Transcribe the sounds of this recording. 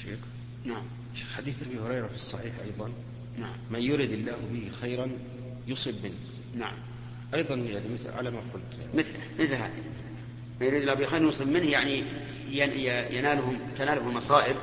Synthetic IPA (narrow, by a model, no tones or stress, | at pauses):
ʃḭːx | naʕam | ʃi̥xħad̪iːθʔabihʊɾɑjɾˤɑfisˤːɑħiːħʔɑ̰jðˤɑn | naʕammajʊɾɪd̪ɪlːaːhbɪhxajɾan | jʊsˤɨbmɪnː | na̰ʕa̰m | ʔɑjðˤɑnjaʕnimɪθlʕa̰lamaqʊlt̪ | mɪθlɪmɪθlɦa̰ːði | majʊɾid̪ɪlːahbɪjxajɾnjʊsˤɨbmɪnhjaʕni | jajajanaːlhʊmt̪anaːlʊhʊmmɑsˤɑːʔɪb̚